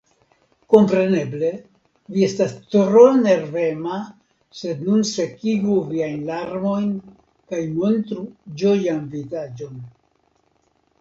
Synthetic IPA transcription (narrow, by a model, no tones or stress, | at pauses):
ko̞mpɾe̞ne̞ble̞ | vie̞stastɾone̞ɾve̞ma | se̞d̪nunse̞kiɡuviajnlaɾmo̞jn | kajmo̞nt̪ɾud͡ʒo̞janvizad͡ʒo̞n